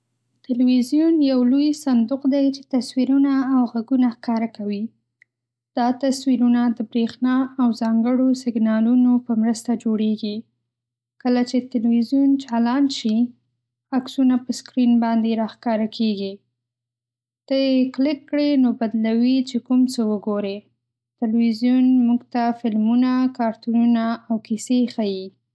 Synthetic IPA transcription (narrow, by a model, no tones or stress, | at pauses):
t̪ɪlwizjunjawlojsand̪ʊqd̪ajt͡ʃe̥t̪aswiɾunaːwɣaɡunaxkɑɾakawi | d̪̥ɑt̪aswiɾunad̪əbɾexnɑawzɑŋɡəɽosɪɡnɑlunopəmɾəst̪ad͡ʒoɽeɡi | kəlat͡ʃet̪ɪlwizjunt͡ʃalɑnʃi | aksunapəskɾinbɑnd̪eɾɑxkɑɾakʰeɡi | t̪əjeklɪkːɽenobad̪lawit͡ʃekumt͡səwəɡoɾe | t̪ɪlwizjunmuɡt̪afɪlmunakɑɾt̪ununaawkisexaji